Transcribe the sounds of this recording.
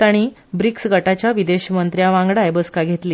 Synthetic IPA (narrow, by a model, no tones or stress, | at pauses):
t̪aɽ̃iː | bɾiksɡʱəʈat͡ɕjaʋid̪eɕmənt̪ɾjaʋãŋɡɽajbəskaɡʱet̪liː